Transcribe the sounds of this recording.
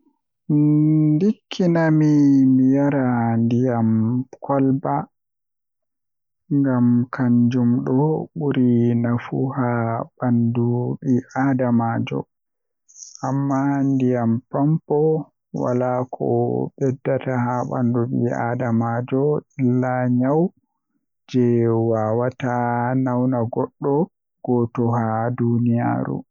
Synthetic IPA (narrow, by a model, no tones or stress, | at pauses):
dikʰːinamimijaɾandijamkʰɔlba | ŋɡamkʰaɲd͡ʒumɗɔɓuɾinafuhaɓanduɓiʔaːdamaːd͡ʒɔ̰ | ʔamːandijampampɔ | wa̰lakʰɔ̰ɓɛdːatahaɓa̰nduɓḭa̰damad͡ʒɔilːaɲaw | d͡ʒɛwaːwatanawnaɡɔɗːɔ | ɡ̥ɔːtɔhadunija̰ːɾṵ